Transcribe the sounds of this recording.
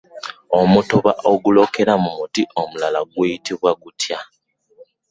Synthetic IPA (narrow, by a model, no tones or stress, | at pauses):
o̞mutoβa̰ʔoɡulo̞ke̞ɾamumutiʔo̞mulalaɡweːjitiβwaɡutʰja